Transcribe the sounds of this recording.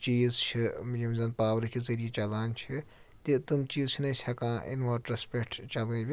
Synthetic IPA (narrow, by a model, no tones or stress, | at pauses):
t͡ʃiːzt͡ʃʰijimzɐnpaːwɾikezɐɾijit͡ʃɐlaːnt͡ʃʰi | t̪it̪ɨmt͡ʃiːzt͡ʃʰinɐjsʲʰɐkãːʔḭnʋɐɾʈɾɐspʲekʈt͡ʃɐlɐbʲi